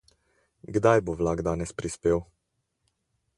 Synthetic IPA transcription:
ɡd̪ajboʋlaɡd̪aːnɛspɾispeːw

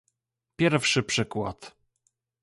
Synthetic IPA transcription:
pʲjɛɾfʂɘpʂɘkwa̰t̪

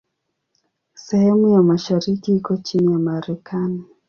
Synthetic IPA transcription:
sɛhɛmujamaʃaɾikiikɔt͡ʃinijamaɾɛkʰani

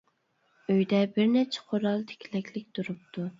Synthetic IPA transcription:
øjd̪ɛbɪɾnɛt͡ʃʰɛ̥qʰoɾɑlˠt̪ʰɪ̥kʲʰilɛkʲlɪkʲt̪ʰuɾup̚t̪ʰu

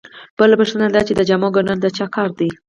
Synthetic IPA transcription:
b̥əlapəʂt̪ənad̪at͡ʃed̪əd͡ʒamɑɡonənd̪ət͡ʃɑkɑɾd̪i

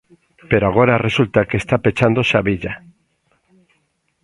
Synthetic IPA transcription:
pe̞ɾoaɣ̞o̞ɾaresult̪akest̪apet͡ʃand̪osaβiʎa

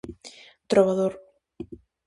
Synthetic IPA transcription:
t̪ɾoβaðoɾ

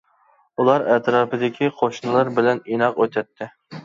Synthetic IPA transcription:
ulˠɑɾɛt̪ɾɑːpɪd̪ɪkʲʰiqʰoʃnɨlˠɑɾbɪlɛninɑqøt̪ʰɛt̪ʰːɪ

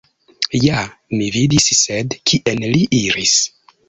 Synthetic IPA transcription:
jamividissedkʰiʔenliʔiɾis

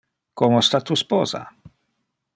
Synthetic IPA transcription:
komost̪at̪uspɔːza̰

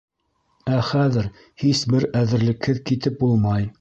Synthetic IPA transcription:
æχæðɘɾ | hisbɘɾæðɘ̆ɾlɘ̆khɘðkit̪ɘp̚bulˠmɑj

